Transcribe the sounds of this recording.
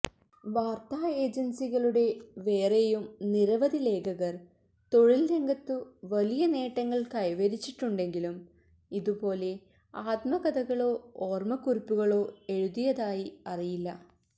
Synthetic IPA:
ʋaːrt̪aːe̞ːd͡ʑɐnsiɣɐɭuɽe̞ʋe̞ːrejumniɾɐʋɐðile̞ːkʰɐɣɐr | t̪o̞ɻilːe̞ŋɡɐt̪ːɨʋɐlijɐne̞ːʈːɐŋːɐɭkɐjʋɐɾit͡ɕːiʈːuɳɖe̞ŋɡilum | iðupo̞ːle̞ | aːt̪mɐɣɐd̪ɐɣɐɭo̞ːoːrmɐkuripːuɣɐɭo̞ːe̞ɻuðijɐðaːjiɐrijilːɐ

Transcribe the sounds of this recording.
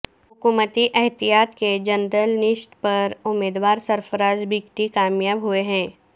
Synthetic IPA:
ɦʊkuːmət̪iʔɛɦt̪ijaːt̪ked͡ʒɐnɾəlnɪʃʈpɐɾʊmːeːd̪waːɾsɐɾfəɾaːd͡ʒbiːkʈikaːmjaːbɦʊeɦɛ̃ː

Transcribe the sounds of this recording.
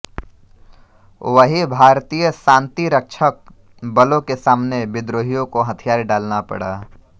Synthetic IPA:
ʋəɦibʱaːɾt̪iːjəsãːnt̪iɾəkʃʰək̚ | bɐlõkesaːmnebɪd̪ɾoːɦijõkoɦɐt̪ʰijaːɾɖaːlnapɐ̰ɽaː

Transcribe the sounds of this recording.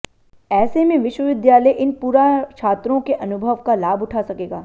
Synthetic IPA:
ɛːsemẽʋɪʃwəʋɪd̪jaːləjʔɪnpuːɾat͡ʃʰaːt̪ɾõkeʔɐnʊbʱəʋkalaːbʊʈʰaːsɐkeːɡaː

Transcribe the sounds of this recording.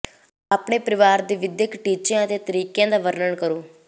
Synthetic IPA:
aːpɳeːpəɾɪʋaːɾd̪iːʋɪd̪jəkʈiːt͡ʃjãːt̪eːt̪əɾiːkjãːd̪aːʋəɾnəɳkəɾoː

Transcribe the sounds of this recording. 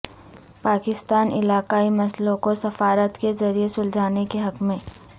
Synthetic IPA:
paːkɪst̪aːnɪ̰laːkaːimɐslõkosɐfaːɾət̪kezɐɾijesʊld͡ʒʱaːnekeɦɐkmẽː

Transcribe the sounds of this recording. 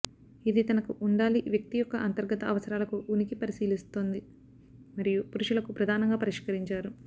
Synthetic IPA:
id̪it̪ɐnɐkuʔuɳɖaːliʋjɐk̚t̪ijɔkːɐʔɐnt̪ɐɾɡɐt̪ɐɐʋɐsɐɾaːlɐkuunikipɐɾisiːlist̪oːnd̪i | mɐɾijupuɾuʂulɐkupɾɐd̪ʱaːnɐŋɡaːpɐɾiʃkɐɾiɲt͡ʃaːɾu

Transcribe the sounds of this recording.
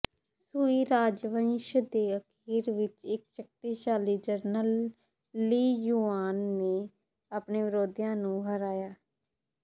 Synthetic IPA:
suːiːɾaːd͡ʒʋənʃd̪eːəkʰiːɾʋɪt͡ʃɪkʃək̚t̪iːʃaːliːd͡ʒəɾnəlː | iːjuːaːnːeː | aːpɳeːʋɪɾoːd̪ijãːnũːɦəɾaːjaː

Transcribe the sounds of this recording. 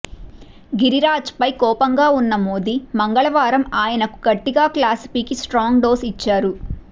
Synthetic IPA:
ɡiɾiɾaːd͡ʒpɐjkɔːpɐŋɡaːunːɐmoːd̪imɐŋɡɐɭɐʋaːɾɐmaːjɐnɐku̥ɡɐʈːiɡaːklaːsi̥piːkisʈɾaːŋɡɖoːsit͡ʃːaːɾu

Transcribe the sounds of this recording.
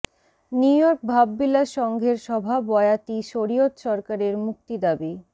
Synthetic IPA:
niujɔɾk̚bʱabːilaʃɔŋɡʱeɾʃɔbʱabɔeat̪iʃoɾiot̪ʃɔɾkaɾeɾmuk̚t̪id̪abi

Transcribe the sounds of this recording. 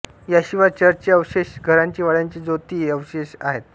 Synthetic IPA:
jaɕiʋat͡ɕəɾt͡ɕeəʋɕeɕɡʱəɾaɲt͡ɕiːʋaɭjaɲt͡ɕiːd͡zot̪iːəʋɕeɕa̰ɦet̪̚

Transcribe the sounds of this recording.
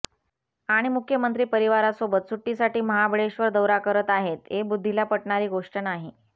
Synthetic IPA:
aɽ̃imukʰjəmənt̪ɾiːpəɾiʋaɾasobət̪̚suʈːisaʈiːməɦabɭeɕʋəɾd̪əwɾakəɾət̪aɦet̪ɦebud̪ʱːilapəʈɳaɾiːɡoʂʈənaɦi

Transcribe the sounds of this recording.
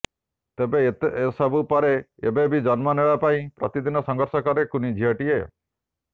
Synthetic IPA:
t̪ebeːsɔbupɔɾeebebid͡ʒɔnmɔneɭapaĩpɾɔt̪id̪inɔsɔŋɡɔɾsɔkɔɾekunid͡ʒʱiaʈie

